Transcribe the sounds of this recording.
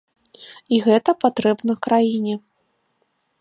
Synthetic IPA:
iɣɛt̪ɐpat̪ɾɛbnɐkɾajinʲɛ

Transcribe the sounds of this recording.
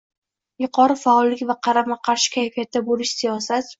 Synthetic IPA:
jʊqʰɒɾɪfaːlˠːɪkʲvaqʰɑɾamaqʰɑɾʃɪ̥kʲʰajfijat̪̚d̪abolɪʃsijɒsat̪

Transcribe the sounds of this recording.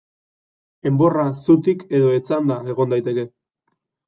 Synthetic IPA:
e̞mbo̞rasut̪ike̞ðo̞e̞t͡sand̪ae̞ɣ̞o̞nd̪ajt̪e̞ke̞

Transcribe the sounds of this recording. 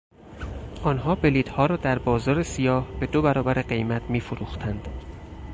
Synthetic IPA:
ʔɒːnɦɒːbe̞liːd̪hɒːɾɒːd̪æɾbɒːzɒːɾe̞sijɒːhb̥e̞d̪obæɾɒːbæɾeɢe̞jmæt̪ʰmiːfoɾuːxt̪ʰænd̪̥

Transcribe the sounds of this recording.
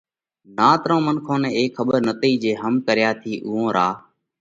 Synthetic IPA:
naːt̪ɾõːmənkʰõːnɛ̃ːeːkʰxəɓəɾnət̪iːd͡ʒeːɦəmkəɾɪjaːt̪ʰiːʔʊːõːɾaː

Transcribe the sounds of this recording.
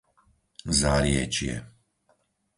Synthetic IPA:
zaɾjɛt͡ʃjɛ̰

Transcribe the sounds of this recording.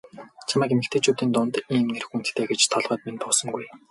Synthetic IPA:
t͡ɕʰamaːkemɘ̆kt̪ʰeːt͡ɕʰut̪iːnt̪ʊnt̪iːmnerxuːnt̪t̪eːɡet͡ɕt̪ʰɔɮʁœːt̪̚mint̪ʰʊːsɞ̆ŋɡuj

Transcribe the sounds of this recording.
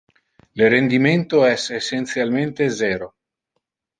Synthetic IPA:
leɾend̪iment̪oɛsesːent̪sjalment̪ezɛːɾo

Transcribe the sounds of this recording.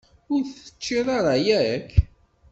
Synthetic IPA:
ʊɾθə̥t͡ʃːiðˤaɾˤɑjæk

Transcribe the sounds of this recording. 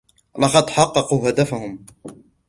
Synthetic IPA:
lɑqɑd̪ħɑqːɑquːɦad̪afahʊm

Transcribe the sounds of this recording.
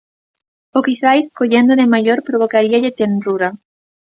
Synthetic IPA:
okiθajskoʎend̪oðemajoɾpɾoβ̞okaɾiaʎɪt̪enruɾa

